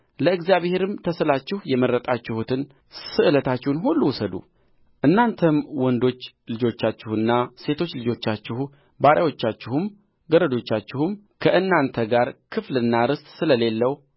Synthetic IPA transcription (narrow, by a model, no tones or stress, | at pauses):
ləɨɡzjaβhe̞ɾɨmt̪ʰəsəlat͡ʃːɪhjɛməɾːət̪ʼat͡ʃːɪhut̪ɨn | sɨʔɨlət̪ʰat͡ʃːɪhnɦulːuwʊsəd̪ṵ | ʔɨnːant̪ʰəmwɔnd̪o̞t͡ʃː | lɨd͡ʒo̞t͡ʃːat͡ʃːɪhɨnːase̞t̪ʰo̞t͡ʃːlɨd͡ʒo̞t͡ʃːat͡ʃːɪhu | baɾʔawo̞t͡ʃːat͡ʃːɪhɨm | ɡəɾəd̪o̞t͡ʃːat͡ʃːɪhum | kʰəʔɨnːant̪ʰəɡaɾkʰɨflɨnːaɾɨst̪ʼsɨləle̞lːəw